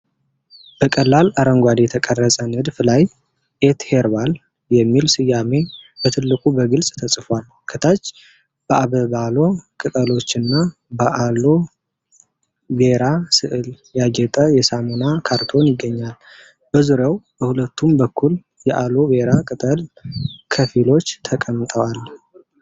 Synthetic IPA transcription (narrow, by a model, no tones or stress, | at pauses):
b̥əkʼəlːalaɾəŋɡʷad̪jɛt̪ʰəkʼərːəsʼənɨd̪flaj | ʔet̪heɾbal | jɛmːilsɨjːame̞b̥ət̪ʰɨlːɨkʼubəɡɨlsʼt̪ʰəsʼɨfal | kʰət̪ʰat͡ʃː | b̥əʔaβəβalo̞kʼɨt̪ʼəlo̞t͡ʃːɨnːa | bəʔalo̞ | beɾasɨʔɨl | jad͡ʒɛt̪ʼəjɛsamonakʰaɾt̪ʰo̞njɪɡːəɲːal | b̥əzuɾjawb̥əhulət̪ːumbəkʰːul | jɛʔalobeɾakʼɨt̪ʼəlkʰəfilo̞t͡ʃːt̪ʰəkʼəmt̪ʼəwal